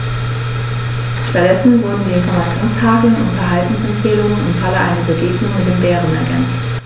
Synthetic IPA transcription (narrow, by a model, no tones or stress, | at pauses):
ʃtat̚d̥ɛsn̩vʊɐdn̩diɪnfɔmat͡sjoːnskʰaːkl̩ənʊ̰ntfɛɐɦaltn̩sɛmfeːlʊŋənɪ̰mfaləʔa̰ɪnɐbəɡeːknʊŋmɪt̚d̥eːnbɛːʁənɛɐɡɛ̰nst